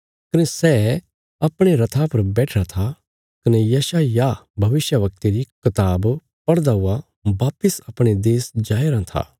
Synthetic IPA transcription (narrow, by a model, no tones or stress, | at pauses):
kɐnɛsɛː | ɐpɽ̃eɾɐt̪ʰapɐɾbɛːʈʰɾat̪ʰa | kɐnɛjɐːʃajabʱɐʋɪʃjəʋɐk̚t̪iɾikɐt̪aːb | pɐɽd̪aɦʊa | baːpɪsɐpɽ̃ed̪eːsd͡ʒaːeɾãt̪ʰa̰ː